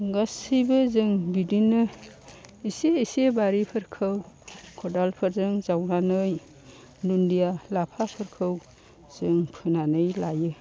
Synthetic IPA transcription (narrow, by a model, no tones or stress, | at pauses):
ɡasibɯzɯŋbidinɯ | iseisebaɾipʰɯɾkʰɯw | kʰɔdalpʰɯɾzɯŋzawnanɯj | dundijalapʰapʰɯɾkʰɯw | z̥ɯŋpʰɯnanɯjlajɯ